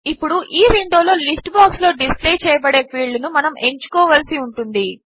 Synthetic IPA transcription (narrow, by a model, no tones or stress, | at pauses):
ipːuɽuʔiːɾinɖ̪o̞ːlo̞ːlisʈbaːkslo̞ːɖispleːt͡ʃɛːjɐbɐɽe̞ːpʰiːɭɖunumɐnɐme̞ɲt͡ʃu̥kɔːʋɐlsiuɳʈund̪i